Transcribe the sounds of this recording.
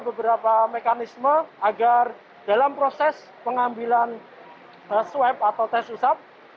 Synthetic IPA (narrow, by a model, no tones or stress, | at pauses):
bəbəɾapamekanisməaɡar | d̥alampɾosɛs | pəŋambilan | əswɛp̚at̪awt̪ɛsusap̚